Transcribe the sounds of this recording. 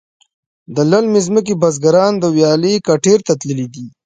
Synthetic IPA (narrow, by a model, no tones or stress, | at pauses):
d̪əlalmezmək̬ebazɡaɾɑnd̪əwjɑlekaʈeɾt̪at̪ləlid̪i